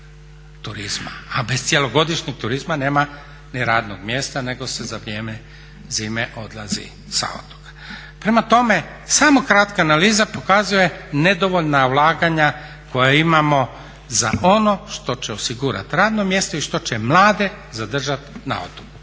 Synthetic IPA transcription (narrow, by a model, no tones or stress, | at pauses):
t̪uɾizma̰abe̞st̪sʲje̞loɡo̞d̪iʃɲiɡ̚t̪uɾizmane̞ːma | niɾaːd̪noɡmje̞ːst̪ane̞ɡo̞sezaʋɾje̞ːme | ziːmeʔo̞d̪lˠazḭ | sa̰o̰t̪o̥kḁ | pɾemat̪o̞me̞ | saːmo̞kɾat̪kaːnaliːzapo̞kazuje̞ne̞d̪o̞ʋoʎnaulˠaːɡaɲa | ko̞jaimamo̞ | za̰ʔo̞no̞ʃt̪o̞t͡ɕeo̞siɡuɾa̰t̪ɾaːd̪no̞mje̞st̪oiʃt̪o̞t͡ɕe̞mlˠaːd̪e̞ | zad̪r̩ʒat̪na̰o̰t̪o̥ku